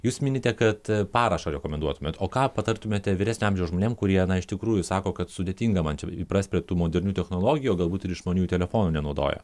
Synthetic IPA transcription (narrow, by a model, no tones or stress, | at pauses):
juːsmʲɪnʲɪt̪ʲɛkɐt̪pɑːɾɐʃɐɾʲɛkoːmʲɛnd̪uɔt̪ʊmʲeːt̪oːkɑːpɐt̪ɐrt̪ʊmʲeːt̪ʲɛʋʲɪɾʲæːsʲnʲoɑːmʲʒʲɛʊwʒmoːnʲeːmkʊɾʲiɛnɐɪʃt̪ʲɪkɾuːjʊsɑːkoːkɐt̪sʊd̪ʲeːt̪ʲiːŋɡɐmɐnt͡ʃʲɛipɾɐsʲpʲɾʲiɛt̪uːmoːd̪ʲɛɾʲnʲuːt̪ʲɛxnoːlˠoːɡʲɪjuːɡɐlˠbuːt̪ɪɾɪʃʒmoːnʲuːt̪ʲɛlʲɛfoːnuːnʲɛnɐʊd̪o̰ːjɛ̰